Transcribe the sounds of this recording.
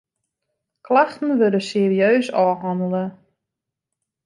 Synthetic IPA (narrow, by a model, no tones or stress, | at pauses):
kʰlaxtn̩ʋødəseəriøːsɔːɦɑndələ